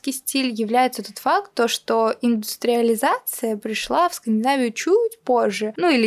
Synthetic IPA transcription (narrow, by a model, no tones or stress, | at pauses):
kʲɪjsʲtʲilʲjɪvlʲæjɪt̪sət̪ot̪fak̚t̪ːoʂt̪oɪnd̪ʊst̪ɾʲɪəlʲɪzat̪sɨjəpɾʲɪʂlˠafskənʲdʲɪnavʲɪjʊt͡ɕutʲpoʐːɨnuilʲɪ